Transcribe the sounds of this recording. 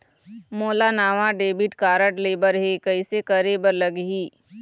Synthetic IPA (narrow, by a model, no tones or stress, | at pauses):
moːlanaːʋaɖeːbɪʈkaːɾəʈleːbəɾɦekəɪsekəɾeːbəɾləɡɦiː